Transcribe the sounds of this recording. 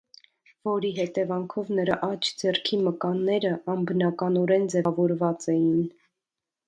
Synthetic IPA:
vɔɾiɦɛt̪ɛvɑŋkʰɔvnəɾɑʔɑt͡ʃʰd͡zɛrkʰiməkɑnːɛɾəɑmbənɑkɑnɔɾɛnd͡zɛvɔɾvɑt͡sɛjin

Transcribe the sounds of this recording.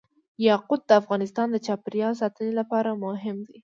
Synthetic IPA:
jɑqʊd̪̚d̪əafɣɑnɪst̪ɑnd̪ət͡ʃɑpɾjɑs̬ɑt̪ənelapɑɾamʊɦɪmd̪i

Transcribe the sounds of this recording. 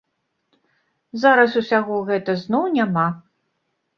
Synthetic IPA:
zaɾɐsusʲaɣɔɣɛt̪ɐznɔwnʲama

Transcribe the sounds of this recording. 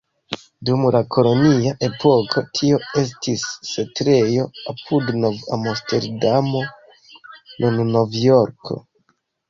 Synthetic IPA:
dumlakʰo̞lo̞niaʔe̞pʰo̞kʰo̞tʰio̞e̞s̬tisːe̞tɾe̞jo̞apʰudnova̰moste̞̰ɾdamo̞ | nʔunno̞vjoɾkʰo̞̰

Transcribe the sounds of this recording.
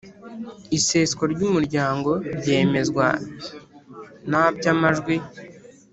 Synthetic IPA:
ise̞ːsko̞ɾɟumuɾɟaːŋɡo̞ɾɟe̞ːme̞zɡwa̰ | nabɟamaʒɡwi

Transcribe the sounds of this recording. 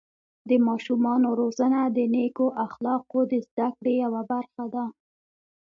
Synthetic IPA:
d̪əmɑʃumɑnoɾozanad̪ənekoʔaxlɑqod̪əzd̪akɽejawabaɾxad̪a

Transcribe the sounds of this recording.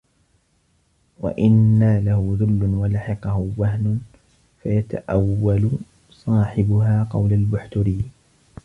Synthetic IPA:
wa̰ʔɪnːalahʊðʊlːʊnwalaħɪqɑhʊwaɦnʊn | fajat̪a̰ʔawːalʊ | sˤɑːħɪbʊɦaːqɑwlalbʊħt̪ʊɾiː

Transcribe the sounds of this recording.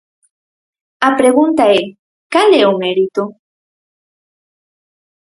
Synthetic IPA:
apɾeɣũnt̪ae | kaleomeɾit̪o

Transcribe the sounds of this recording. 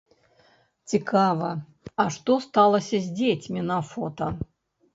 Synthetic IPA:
t͡sʲɪkʰavɐ | aʂt̪ost̪alˠəsʲɐzʲdʲet͡sʲmʲɪnafot̪ɐ

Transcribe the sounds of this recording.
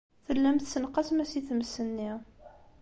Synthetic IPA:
θəlːæmθsənqɑsmæsiθəməsənːi

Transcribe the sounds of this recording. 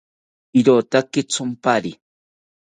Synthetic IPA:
iɾot̪akɪt͡sʊmpaɾi

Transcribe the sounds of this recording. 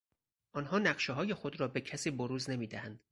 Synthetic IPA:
ʔɒnhɒːnæɢʃeɦɒːje̞xo̞d̪ɾɒːbe̞cʰæsiːboɾuːzne̞miːd̪æhænd̪̥

